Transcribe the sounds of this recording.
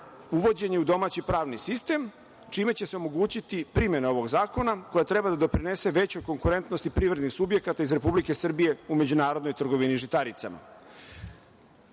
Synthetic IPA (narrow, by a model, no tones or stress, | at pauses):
uʋo̞d͡ʑe̞ɲe̞ud̪o̞maːt͡ɕipɾaːʋnisist̪e̞m | t͡ʃiːme̞t͡ɕe̞seo̞mo̞ɡuːt͡ɕit̪ipɾimje̞nao̞ʋo̞ɡzaːko̞nako̞jat̪ɾe̞bad̪ad̪o̞pɾine̞se̞ʋe̞t͡ɕo̞jko̞ŋkuɾe̞nt̪nost̪ipɾiːʋɾed̪nixsubje̞kat̪aizɾe̞publike̞sr̩bije̞ume̞d͡ʑunaːɾod̪nojt̪r̩ɡo̞ʋiniʒit̪aɾit̪sa̰ma̰